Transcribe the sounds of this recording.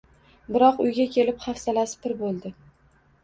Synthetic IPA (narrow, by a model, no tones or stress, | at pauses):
bɪɾɒqʊjɡʲakʲʰe̞lɪpχafsalasɪ̥pʰɪɾbolˠd̪ɪ